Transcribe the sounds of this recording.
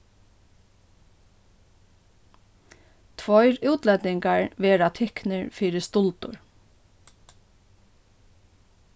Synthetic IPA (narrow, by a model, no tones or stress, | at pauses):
t̪ʰʋɔʏɾʉːt̪lɛt̪ɪŋkaɹʋeːɾat̪ʰɪknɪɹfiːɾɪst̪ʊlt̪ʊ̰ɹ